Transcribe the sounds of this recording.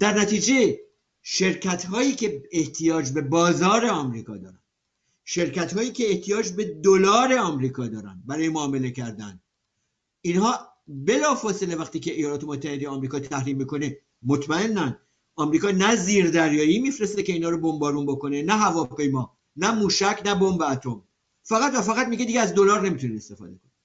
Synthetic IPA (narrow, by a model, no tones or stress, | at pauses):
d̪̥æɾnæt̪iːd͡ʒe̞ | ʃe̞ɾcʰæt̪hɒːiːcʰe̞eht̪ʰijɒːd͡ʒbe̞bɒːzɒːɾe̞ɒːmɾiːkʰɒːd̪ɒ̰ːɾæ̰nd | ʃe̞ɾcæt̪hɒːiːcʰe̞ːht̪ʰijɒːd͡ʒbe̞d̪olɒːɾe̞ɒmɾiːkʰɒːd̪ɒːɾæ̰nd̪bæɾɒːjemoːme̞le̞cæɾd̪æ̰n | inhɒː | be̞lɒːfɒːse̞le̞væχt̪iːcʰe̞ʔejɒːlɒːt̪ʰe̞mot̪ʰːæhed̪ejeɒːmɾikɒːt̪ʰæhɾiːmːikʰo̞ne | mo̞t̪ʰmæe̞nːæn | ɒmɾiːkɒːnæziːɾd̪æɾjɒːjiːmifɾest̪ece̞iːnhɒːɾobo̞mbɒːɾuːnbo̞ko̞ne̞næɦævɒːpʰe̞jmɒː | næmuːʃæcʰnæbombeæt̪ʰo̞m | fæɣæt̪væfæɣæt̪miɟed̪iːɟeæzd̪o̞lɒːɾne̞miːt̪ʰuneest̪e̞fɒ̰ːd̪e̞kʰoni